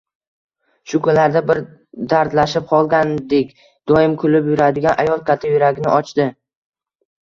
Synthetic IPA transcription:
ʃʊkʰʊnlaɾd̪abɪɾd̪aɾt̪laʃɪp̚qʰɒlˠɡʲand̪ekʲ | d̪̥ɒjɪmkʰʊlɪpjʊɾad̪ɪɡʲanʔajɒlˠkʰʲat̪ʰajʊɾaɡʲɪnɪ̰ʔɒt͡ʃd̪ɪ

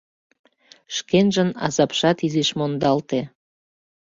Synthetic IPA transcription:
ʃkenʒənɑ̰zɑpʃɑt̪izeʃmond̪ɑlt̪e

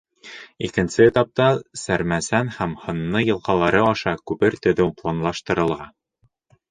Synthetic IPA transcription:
ikɘ̆nsɘt̪ɑp̚t̪ɑsæɾmæsænhæmhɤ̆nːɤjɤ̆lˠqɑlˠɑɾɤɑʃɑkʉβɘɾt̪ɵ̆ðɵplˠanlˠɑʃt̪ɤ̆ɾɤ̆lˠʁɑ

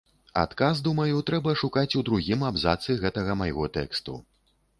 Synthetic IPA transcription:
a̰t̪kazd̪umɐjut̪ɾɛbɐʂukat͡sʲud̪ɾuɣʲimabzat̪sɨiɣɛt̪ɐɣɐmɐjɣɔt̪ɛkst̪ṵ

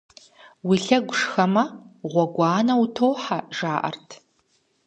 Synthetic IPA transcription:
wiɬɐɡʷʊʂxɐmɐʁʷɔɡʷɑːnɐwutʰoːħaʒaːʔɐ̰rtʰ

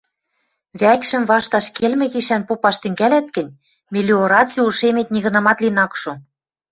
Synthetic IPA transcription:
βækʃɘ̆mβɑʃt̪ɑʃkelmɘ̆ɣiʃænpopɑʃt̪ɘ̆ŋɡælæt̪̚kɘ̆nʲ | mʲelʲioɾɑt͡sulʃemet̪̚nʲiɣɤ̆nɑmɑt̪linɑkʃo

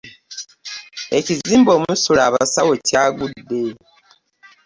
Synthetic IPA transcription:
e̞ciziːmbo̞ːmusulaːβasawo̞caːɡudːe̞

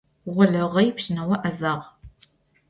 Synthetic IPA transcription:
ʁʷɔɮɐʁɐjpɕɪnɐwɐʔɐzaːʁ

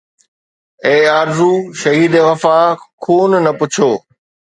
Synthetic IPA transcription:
eːaːɾzuːʃɐɦiːd̪eʋɐfaːkʰoːnnɐpʊt͡ɕʰoː

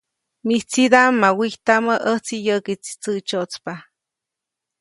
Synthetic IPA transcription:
miht͡sid̪amːawiht̪aməʔəht͡sijəkit͡si̥t͡sət͡ʃot͡spa

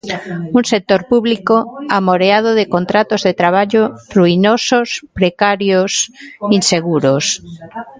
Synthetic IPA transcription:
uŋsek̚t̪oɾpuβlikoamoɾeað̞oðekont̪ɾat̪ozðet̪ɾaβ̞aʎoruinosospɾekaɾjosinseɣuɾos

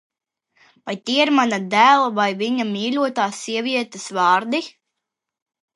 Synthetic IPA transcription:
vajt̪ʲiɛiɾmanad̪æːlˠavajviɲamʲiːlʲuɔt̪aːsiɛviɛt̪ɨsvɑːɾd̪i

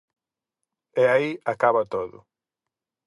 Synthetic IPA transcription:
ɛaiakaβat̪oðʊ̰

